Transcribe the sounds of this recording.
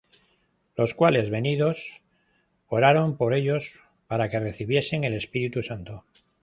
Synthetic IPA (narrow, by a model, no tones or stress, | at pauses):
lo̞skwale̞zβe̞niðo̞s | o̞ɾaɾo̞mpo̞ɾe̞ʎo̞s | paɾake̞re̞θiβ̞je̞seŋe̞le̞spiɾit̪usant̪o